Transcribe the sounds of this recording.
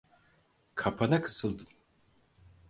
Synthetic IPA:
kʰapʰanakʰɯ̥sɯlˠd̪ɯm

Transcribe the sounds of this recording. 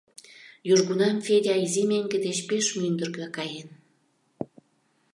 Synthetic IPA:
juʒɣunɑmfeɾʲɑizimeŋɡed̪et͡ɕpeʃmynd̪ə̆rkɑkɑjen

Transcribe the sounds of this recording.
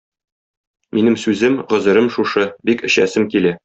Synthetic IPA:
minɘmsʉzɘmʁŏzɤ̆ɾɤmʃuʃɤbikɘ̆ɕæ̰sɘmkilæ

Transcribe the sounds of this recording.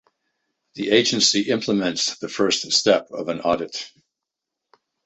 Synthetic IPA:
ðieɪd͡ʒɨ̃nsiʔɪ̃mpʰləmɨ̃nsðɨfɜ˞ststɛpʌvɨ̃nɑɾɨt̚

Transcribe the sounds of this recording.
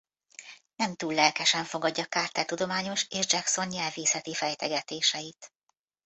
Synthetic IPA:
nɛmt̪uːlːɛlkɛʃɛɱfo̞ɡɒɟːɒkaːrt̪ɛlt̪ud̪o̞maːɲo̞ʃeːʒd͡ʒɛkso̞nɲɛlveːsɛt̪ifɛjt̪ɛɡɛt̪eːʃɛjit̪

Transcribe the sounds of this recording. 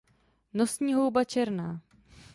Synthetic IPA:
nosɲiːɦo̞wbat͡ʃɛɾnaː

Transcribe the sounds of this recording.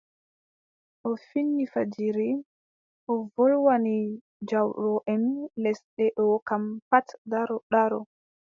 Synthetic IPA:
ʔɔfinːifad͡ʒiɾi | ʔɔvɔlwani | d͡ʒawɗɔʔɛnlɛsɗɛɗɔkampatdaɾɔɗaɾɔ

